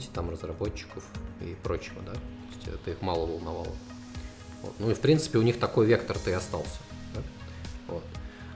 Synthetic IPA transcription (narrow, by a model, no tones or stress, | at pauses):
tʲɪt̪amrəzrɐbo̞t͡ɕːɪ̥kəfɪ̰pɾo̞t͡ɕːɪvə̰d̪at̪oɪsʲtʲɛ̰t̪ɨixmɑlˠəvəlˠnɐva̰lˠə | vo̞̰t̪nuɪfpɾʲint̪sɨ̥pʲɪʊnʲixt̪ɐko̞jvʲe̞kt̪ərt̪ɨɐst̪ɑlˠsʲə̥d̪a | vo̞t̪